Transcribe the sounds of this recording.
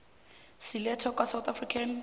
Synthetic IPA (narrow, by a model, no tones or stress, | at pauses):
silɛtʰɔkʼwasawt̪ʰafrikʰan